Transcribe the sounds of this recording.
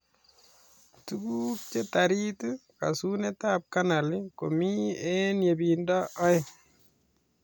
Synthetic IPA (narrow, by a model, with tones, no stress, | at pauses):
tu˦ku˦k̚t͡ʃe˦ta˨ɾi˦tɨ˦ka̰˨su˦ne˦ta˦p̚ka˦na˨li˦ko˨mi˦ɛ˦nje˨bi˨nda˦ʔɔ˦ɪ˦